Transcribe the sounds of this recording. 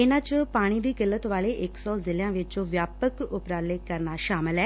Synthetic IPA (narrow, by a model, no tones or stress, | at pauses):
ɪnãːt͡ʃpaːɽ̃iːd̪iːɡɪlːət̪ʋaːleːʔɪksɔːzɪlɪjãːʋɪt͡ʃõːʋjaːpəkʊpɾaːleːkəɾnaːʃaːmɪlɛː